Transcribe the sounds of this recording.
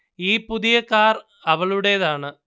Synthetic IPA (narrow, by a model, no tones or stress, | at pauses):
iːpuðijɐkːaːr | ɐʋɐɭuɽeːðaːɳɨ